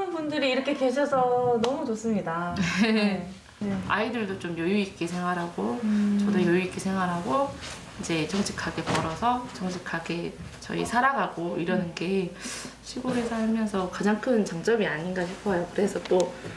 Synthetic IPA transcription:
ɯnbundɯɾiːɾʌkʰe̞ke̞ɕ̬ʰʌsʰʌnʌmut͡ɕos͈ɯmɲidae | a̰idɯɭdot͡ɕomjojuit̚k͈esʰe̞ŋɦaɾɦaɡot͡ɕʌdojojuit̚k͈esʰe̞ŋɦaɾɦaɡo | id͡ʑe̞t͡ɕʌŋt͡ɕʰi̥kʰːaɡe̞pʌɾʌsʰʌt͡ɕʌŋt͡ɕʰikʰaɡe̞ | t͡ɕʌ̰ḭsʰaɾaɡaɡoiɾʌnɯnɡe̞ | ɕʰiɡoɾesʰaɭmjʌnsʰʌkad͡ʑaŋkʰɯnt͡ɕaŋt͡ɕ͈ʌbiaɲinɡaɕʰipʰʌjokɯɾe̞sʰʌt͈o

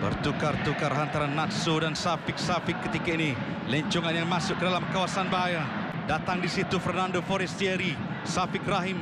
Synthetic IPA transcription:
bə̰rt̪ukart̪ukarɦant̪aɾanːat̪sodansafɪk̚safɪkːət̪ikainiləɲt͡ʃuŋanjaŋmasʊkːədalamkawasanbaɦaja | dat̪aŋdisit̪ufərnandofoɾɛst̪iɛɾi | safɪk̚raɦɪm

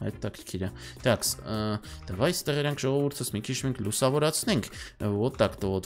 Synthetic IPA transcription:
ɑ̰j̪t̪ːɑkʰəɾkʰiɾəd̪̥ɑks | d̪̥ɛvɑjst̪ɛʁɛɾɑŋkʰʒɔʁɔvuɾt̪ʰəsmikʰit͡ʃʰmɛŋkʰlusɑvɔɾɑt͡sʰnɛŋkʰvɔt̪ːɑkt̪əvɔt̪

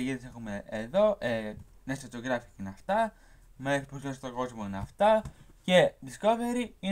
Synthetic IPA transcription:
ʝiðisexumeʔːðo̞ʔe | nest̪ɐt͡s̪oɣɾɐfi̥cinɐft̪ɐ | meesipusost̪oɡo̞zmoinɐft̪ɐce̞ðisko̞ve̞ɾii

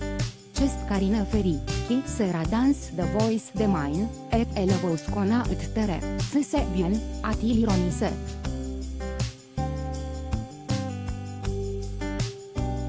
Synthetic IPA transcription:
t͡ʃest̪kaɾinəfeɾikʲisəɾad̪ansd̪əvojsd̪emajn | ɛɾeləvojskonaʔɨt̪t̪əɾḛsɨsevjonat̪iliɾonisḛ

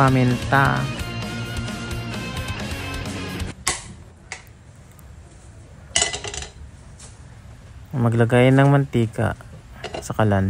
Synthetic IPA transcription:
amɪnt̪a | mɐɡlɐɡajɪnːɐŋmɐnt̪iːka̰ʔsɐkɐlan

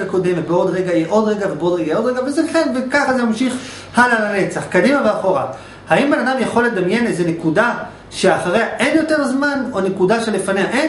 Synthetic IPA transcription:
eko̞d̪emvebeo̞d̪ʁeɡajeʔo̞d̪ʁeɡavebeo̞d̪ʁeɡajo̞d̪ʁeɡavezekenvekaχazemamʃiχ | halalane̞t͡saχkadimaveaχo̞ʁa | haimbenad̪amjaχo̞led̪amje̞nezenekuda | ʃe̞aχaʁeaʔenjo̞t̪e̞ʁzmanonekudaʃelefaneaʔen

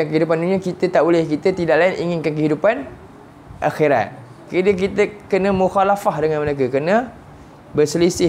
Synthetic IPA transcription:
jaŋkəɦidup̬anduniakit̪ət̪aʔbolɪhkit̪ət̪idaʔlaɪnʔḭŋɪnkankəɦidupan | ʔaxiɾa̰t̪̚ | kədək̬it̪əkənəmuxalafahdəŋanmənek̬əkənə | bərsəlisɪ

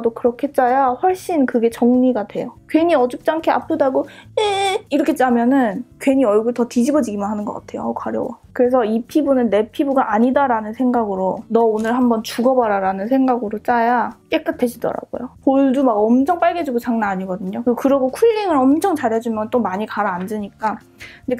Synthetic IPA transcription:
dokɯɾʌkʰe̞t͡ɕ͈ajaɸwʌɭɕ͈inkɯɡe̞t͡ɕʌŋɲiɡadwe̞jokɥeɲiʌd͡ʑup̚t͡ɕ͈aŋkʰea̰pʰɯdaɡoeiɾʌkʰet͡ɕ͈amjʌnɯnkɥeɲiʌɭɡuɭtʌtid͡ʑibʌd͡ʑiɡimɯnɦanɯnɡʌk͈a̰tʰe̞jo̰kwaɾjʌ̰wakɯɾe̞s̬ʰʌipʰibunɯnːe̞pʰibuɡaʔaɲidaɾanɯnsʰe̞ŋɡaɡɯɾonʌonɯɭhambʌnt͡ɕuɡʌbaɾaɾanɯnsʰe̞ŋɡaɡɯɾot͡ɕ͈ajak͈e̞k͈ɯtʰe̞ɕʰidʌ̰ɾa̰ɡo̰jopoɭdumaɡʌmt͡ɕʰʌŋp͈aɭɡe̞d͡ʑuɡot͡ɕaŋnaːɲiɡʌdɯɲokɯɡokɯɾʌɡokʰuiɾiŋɯɾʌmt͡ɕʰʌŋt͡ɕaɾɦe̞d͡ʑumjʌnt͈omaɲikaɾaːnd͡ʑɯɲik͈a | nd͡ʑe

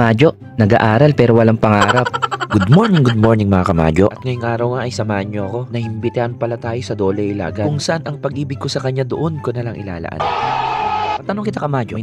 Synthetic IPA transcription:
maːd͡ʒo̞ʔ | nɐɡa̰ːʔaːɾɐlpɛːɾo̞wɐlaŋpɐŋaːɾap̚ɡʊd̪̚moɹnɪŋɡʊd̪̚mo̞ɹnɪŋmɐŋakɐma̰ːd͡ʒo̰ʔɐt̪̚ŋɐjʊŋʔaːɾɐwŋaʔɐjsɐmaːhɐnɲoɐko̞nɐhɪmbɪt̪ɪhanpɐlat̪aːjo̞sɐd̪oːlɛɪla̰ːɡɐkʊŋsɐʔanɐŋpɐɡʔiːbɪɡ̚ko̞sɐkɐɲːad̪oʔonko̞nɐlaŋʔɪ̰la̰ːlɐ̰ʔa̰n | ɐt̪ɐno̞ŋkɪt̪akɐmaːd͡ʒo

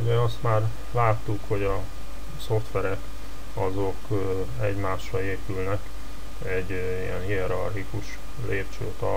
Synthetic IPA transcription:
uɟɛɒst̪maːr | laːt̪ːukho̞ɟɒ | so̞ft̪ʋɛɾɛk | ɒzok | ɛɟmaːʃːɒeːpylnɛk | ɛɟ | ijɛnhiɛɾɒrɦikuʃ | lʔeːp̚t͡ʃø̰ːt̪ɒ

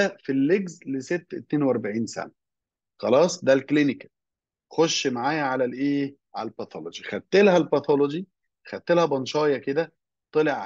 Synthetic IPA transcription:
filːeɡzleset̪ːet̪neːnweʔɑɾˤbaʕiːnsæ̰næ | xɑlɑːsˤd̪ælklinikæ̥ | xoʃːmaʕaːjæʕalælʔeː | ʕalælbæt̪ʰolod͡ʒixæd̪̚t̪ːelhælbæt̪ʰolod͡ʒi | xæt̪ːelhæbɑnʃɑːjɑked̪æ | t̪ˤeleʕ

